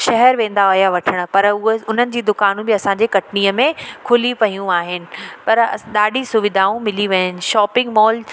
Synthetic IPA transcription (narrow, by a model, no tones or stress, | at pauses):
ʃɐɦɛɾʋẽːn̆d̪aoɦjaʋɐʈʰəɽ̃ʊ̆pɐɾʊɦeʊn̤ənɪ̆d͡ʑiːd̪ʊkaːnũbɪɐsãːɲd͡ʑeːkɐʈʰniːəmẽkʰʊlipɐɦijũaːɦɪnɪ̆pɐɾɗaːɖʱisʊʋɪd̪ʱaːũmɪliʋɐənɪ̆ʃɔːpɪ̃ŋɡmɔːl